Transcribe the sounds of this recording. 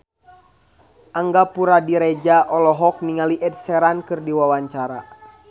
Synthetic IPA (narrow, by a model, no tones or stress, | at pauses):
ʔaŋɡapuɾadiɾɛd͡ʒaʔɔlɔɦɔk̚niŋaliʔɛd̚sɛɾankɨrdiwawaɲt͡ʃaɾa̰